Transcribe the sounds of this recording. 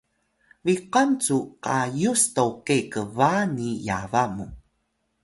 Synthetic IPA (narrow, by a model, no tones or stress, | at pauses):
viqant͡suqajustowkekəvanijavamu